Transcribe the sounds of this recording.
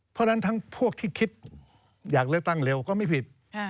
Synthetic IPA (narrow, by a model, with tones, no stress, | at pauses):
pʰɔ˧˥da˧˥nt̪ʰaː˦˥ŋpʰu˥˩ək̚t̪ʰiː˥˩kʰi˦˥t̪̚ | jaː˨˩k̚le˧˥˧k̚t̪a˥˩ŋle˧wkɔː˥˩ma˥˩jpʰi˨˩t̪̚